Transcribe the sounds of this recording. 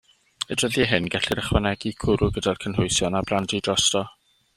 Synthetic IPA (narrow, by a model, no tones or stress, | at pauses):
ədrəðjɛɦɪnɡaɬɪɾəχwanɛɡ̥ikʰʊɾʊɡədalkʰənɦʊjsjɔnabrandidrɔstɔ